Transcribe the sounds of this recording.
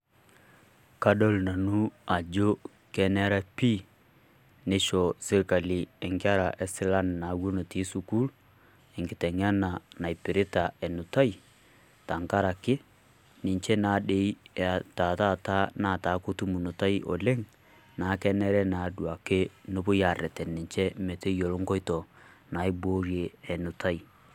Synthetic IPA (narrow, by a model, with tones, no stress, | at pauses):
ka˦do˦lna˨nu˦a˨d͡ʒo˦ | kɛ˨nɛ˦ɾa˦pi˦ | ne˦ʃɔ˨se˦ɾka˨li˨ɛ˨ŋka˦ɾa˨ʔɛ˦sɪ˦la˦n˨na˨˦wo˦no˨ti˦su˨ku˦l | ɛ˨ŋɡɪ˨tɛ˨ŋa˦na˨na˨i˨pɪ˨ɾɪ˦ta˨ɛ˨nu˨ta˦i˨ | ta˨ŋka˦ɾa˨kɪ˦ | nɪ˨ɲt͡ʃɛ˦na˨˦ɗe˨˦i˦˨ta˨ta˦˨ta˦na˦˨ta˨˦ko˦tu˦mu˨nʊ˨ta˦i˦ʔɔ̰˨le˦ŋ | na˨˦kɛ˦nɛ˦ɾɛ˦na˨˦du˨a˨kɪ˦no˦pʊ˦ja˨rɛ˨tɛ˨nːɪ˨ɲt͡ʃɛ˦mɛ˨te˦jo˨lo˦ŋkɔ˦jtɔ˨na˨i˦boː˦ɾje˨ɛ˨nu˨ta˦i˨